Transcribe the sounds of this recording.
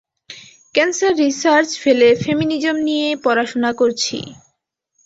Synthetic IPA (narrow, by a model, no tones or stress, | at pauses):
kɛnsaɾːisaɾt͡ɕfelefeminid͡ʑomnijepɔɾaʃonakoɾt͡ɕʰḭ